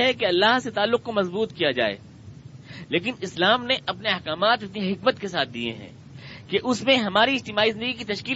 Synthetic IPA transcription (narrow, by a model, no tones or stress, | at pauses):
ɦɛkeɐlːaɦset̪aːlːʊq̚komɐzbuːt̪kijad͡ʒa̰ːḛː | leːk̬ɪnɪslaːmneʔɐpneɐhkaːmaːt̪ɐpniɦɪkmət̪kesaːt̪̚ʰd̪ḭḛɦɛ̰̃ː | keʔʊsmẽɦɐmaːɾiɪd͡ʒt̪ɪmaːizɪ̃nd̪əɡikit̪ɐʃkiː